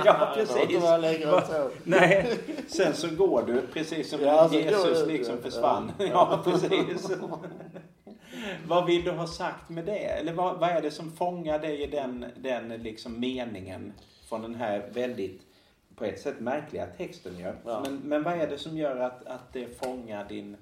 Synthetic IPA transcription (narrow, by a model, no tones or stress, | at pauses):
jɑːpʰɾɛsːslɛ | nɛɪsɛnsɔɡoːɖɵpʰɾɛsiːsːɔmjeːsɵslɪksɔmfœʂva̰nːjɑːpʰɾɛsiːs | vavɪld̪ɵɦɑsakt̪mɛd̪ɛɛ̰lːəɾvavaɛɖɛsɔmfɔŋːaɖɛjɪd̪ɛnd̪ɛnlɪksɔmːeːnɪŋə̰n | fɾɔnd̪ɛnɦæɾvɛld̪ɪt̪ | pʰɔɛt̪ːsɛt̪ːmæɾkʰlɪɡa̰t̪ʰɛkst̪ənjɵ̰mɛnmɛnvaɛɖɛsɔmjœːɾat̪at̪̚d̪ɛfɔŋːaɖɪn